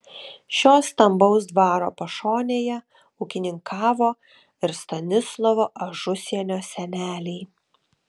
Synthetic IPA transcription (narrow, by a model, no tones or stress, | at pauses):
ʃʲoːst̪ɐmbɒʊsd̪ʋɑːɾo̰ːpɐʃoːnʲeːjɛ | ʊkʲɪnʲɪŋkʰɑːʋoː | ɪɾst̪ɐnʲɪslˠɔʋoːʔɐʒʊsʲiɛnʲoːsʲɛnʲæːlʲɛɪ